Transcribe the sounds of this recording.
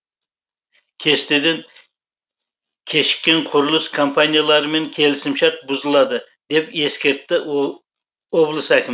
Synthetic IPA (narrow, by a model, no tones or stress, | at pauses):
kʲʰe̞st̪ed̪en | kʲʰe̞ʃɪ̥kʲːe̞ɴqʰʊɾʊlˠəskʰompʰanʲijalˠɑɾəme̞ŋkʲʰe̞lɪsɪmʃɑɾq̚bʊzəlˠɑd̪ə | d̪e̞pe̞skʲe̞ɾt̪ːɪ | woblˠəsəækʲʰɪm